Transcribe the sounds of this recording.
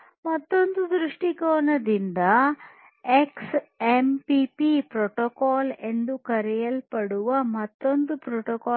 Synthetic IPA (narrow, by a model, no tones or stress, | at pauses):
mɐt̪ːo̞nd̪ud̪ɾuʂʈikɔːnɐd̪ind̪ɐ | eksempipipɾoʈɔkaːle̞nd̪ukɐɾɛjɐlpɐɽuʋɐmɐt̪ːo̞nd̪upɾoːʈɔkaː